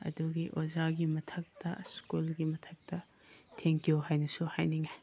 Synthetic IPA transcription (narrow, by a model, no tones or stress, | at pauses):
ɐ̰duɡiʔozaɡimɐtʰɐk̚tɐ̰skulɡimɐtʰɐk̚tɐ | tʰeŋkijoɦajnɐsuhajniŋe